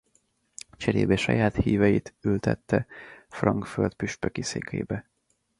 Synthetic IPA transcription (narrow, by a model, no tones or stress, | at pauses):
t͡ʃɛɾḛːbɛʃɒjaːt̪hiːvɛjit̪ylt̪ɛt̪ːɛfrɒŋkfølt̪pyʃpøkiseːkʰḛːbɛ